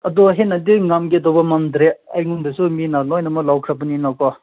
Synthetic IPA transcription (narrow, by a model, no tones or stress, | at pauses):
ɐdɔɦenadiŋamɡedɔbɐmamd̪ɾeajŋundɯsuminalɔjnɐmɔlawkʰɾapuninawkɔ